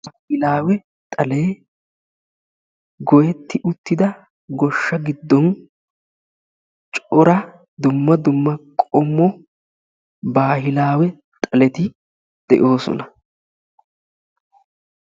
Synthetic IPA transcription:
hɪlaːwɛ | t̪ʼɐle̞ː | ɡɔjɛt̪ːɪʔʊt̪ːɪd̪ɐ | ɡɔʃːɐɡɪd̪ːɔn | t͡ʃʼɔɾɐ | d̪ʊmːɐd̪ʊmːɐkʼɔmːɔ | baːhɪlaːwɛ | t̪ʼɐlɛt̪ɪ | d̪̥ɛ̰ʔo̞ːsɔ̰nɐ

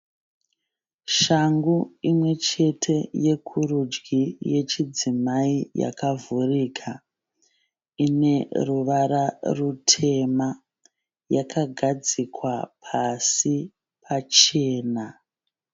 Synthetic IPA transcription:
ʃaŋɡuimwe̞t͡ʃe̞tʰe̞je̞kʰurud͡ʒɡije̞t͡ʃid͡zimaija̰kavʱurikʰa | ine̞ruʋaɾarutʰe̞ma | jakʰaɡʱad͡zikʰwapʰasi | pʰat͡ʃe̞ːna

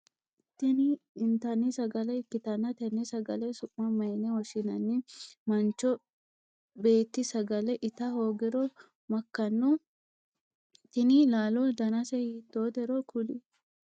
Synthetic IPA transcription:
t̪ːɪnɪɪnt̪ɐnːɪsɐɡɐlɛɪkːɪt̪ɐnːɐt̪ɛnːɛsɐɡɐlɛsʊʔːɐmɐjnɛwɔʃɪnɐnːɪmɐnt͡ʃːɔ | be̞ːt̪ːɪsɐɡɐlɛʔɪt̪ɐhoːɡɛɾɔ | mɐkːɐnːɔ | t̪ːɪnɪlaːlɔd̪ɐnɐsɛhiːt̪ːoːt̪ɛɾɔkʰʊli

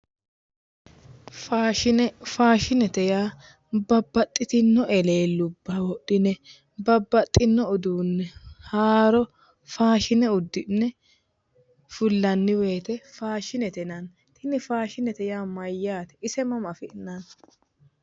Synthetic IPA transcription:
faːʃɪnfaːʃɪnɛt̪ɛjaː | bɐbːɐt̪ʼːɪt̪ɪnːɔʔɛle̞ːlːʊbːɐwɔɗːɪnɛ | bɐbːɐt̪ʼːɪnːɔʊd̪uːnːɛhaːɾɔ | faːʃɪnɛʊd̪ːɪnːɛ | fʊlːɐnːɪwe̞ːt̪ɛfaːʃɪnɛt̪ɛnɐn | t̪ʰɪnɪfaːʃɪnɛt̪ɛjaːmɐjːaːt̪ɛ̥ɪsɛmɐmɐfɪʔnːɐn

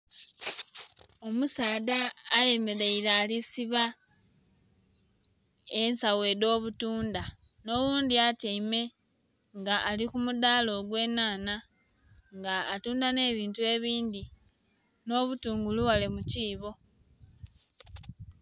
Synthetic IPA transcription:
o̞musaːdaːje̞me̞ɾe̞ilaːlisiβa | ensawe̞ːdo̞ːβutuːnda | no̞wuːndiateime̞ | ŋɡaʔːlikumudaːlo̞ɡwe̞ːnaːna | ŋɡaːtuːndane̞ːβiːntue̞ːβiːnd̪i | no̞ːβutuːŋɡuluwale̞muciːβo̞

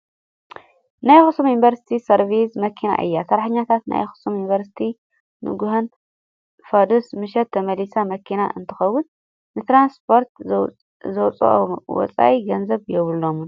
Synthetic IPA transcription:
najxɨsumjunbɐɾsi̥t̪ʰisɐɾvismɐkʰina̰ʔɨ̰jːasɐɾaħɨɲːat̪ʰat̪na̰jxɨ̥sumjinvɐɾsi̥t̪ʰi | nɨ̰ɡuɦɐn | fɐd̪usmɨʃɛt̪ʰːɐmɐlisamɐkʰina̰ʔɨ̰nt̪ʰɨ̥xɐwʊn | nɨt̪ɾanspʰo̞ɾt̪ | zɐwt͡sʼo̰ʔo̰wɔ̰t͡sʼa̰ʔiɡɐnzɐβjɛβɨlːomun

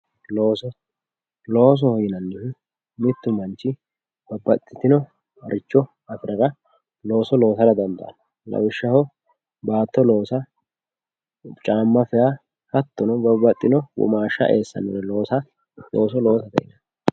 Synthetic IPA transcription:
loːsɔ | lo̞ːs̬ɔhɔjɪnɐnːɪ | mɪt̪ːʊmɐnt͡ʃːɪ | bɐbɐt̪ʼːɪ̥t̪ɪnɔ | ɐ̰ɾʔɪt͡ʃːɔ | ɐfɪɾɐɾɐ | lo̞ːsɔlo̞ːsɐɾɐd̪ɐnd̪ɐ̰ʔɐ̰nɐ | lɐ̰wɪʃːɐhɔ | baːt̪ːɔlo̞ːsɐ | t͡ʃʼaːmːɐfɛja | hɐt̪ːɔnɔbɐbɐt̪ʼːɪnɔwʊ̰maːʃːɐ̰ʔeːsːɐ̰nɛɾɛloːsɐ | loːs̬ɔlo̞ːsɐt̪ɐ̰jɪnɐ

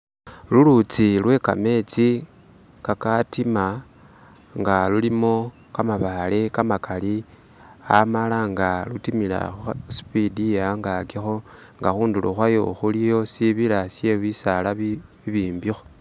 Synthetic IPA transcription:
lulut͡silwe̞ka̰me̞t͡si | kakatima | ŋɡalulimo̞ | kamaβalekamakali | amalaŋɡalutimila̰xuspidiaŋɡakixo̞ | ŋɡaxuːnduluxwajoxulijo̞siβilasje̞wisala | iβiːmbixo

